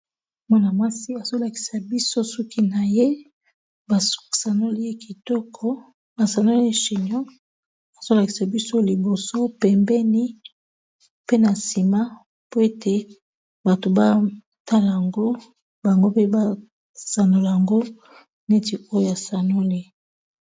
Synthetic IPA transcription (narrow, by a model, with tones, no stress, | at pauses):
mɔ˦na˨ma˦si˦a˨zo˦la˨ki̥˨sa˨bi˦so˦sɔ˦kʰi˦na˨je˦ | ba˨ssa˨no˦li˦je˦ki˨tɔ˦kʰɔ˦ | ba˨sa˨no˦le˦ʃi˨nɔ˦ | a˨z̥o˦la˨ki˨sa˨bi˦so˦li˨bo˨so˦pɛ˨mbɛ˦ni˦ | pe˦na˨si˨ma˦ | po˦e˦te˦ | ba˨to˨ba˦ | ta˦la˨ja˨ŋɡo˦ | ba˨ŋɡo˦pe˦ba˦ | sa˨no˨la˨ja˨ŋɡo˦ | ne˦ti˨o˦jo˦˨ja˨sa˨no˦le˦